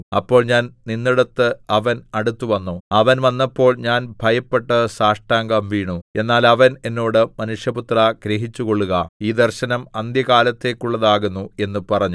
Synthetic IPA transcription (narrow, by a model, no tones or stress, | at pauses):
ɐpːo̞ːɭɲaːnninːiɽɐt̪ːɨɐʋɐnɐɽut̪ːuʋɐnːuɐʋɐnʋɐnːɐpːo̞ːɭɲaːnbʱɐjɐpːe̞ʈːɐsaːʂʈaːŋɡɐmʋiːɳue̞nːaːlɐʋɐne̞nːo̞ːɽɨmɐnuʂjɐput̪rɐɡ̥ɾeɦit͡ɕːuko̞ɭːuɣɐiːd̪ɐrɕɐnɐmɐnd̪jɐkaːlɐt̪ːe̞ːkːuɭːɐðaːɣunːue̞nːupɐrɐɲːu